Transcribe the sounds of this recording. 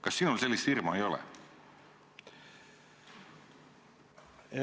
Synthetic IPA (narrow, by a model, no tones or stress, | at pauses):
kɑsːiːnolse̞lʲːist̪irmɑejo̞lḛ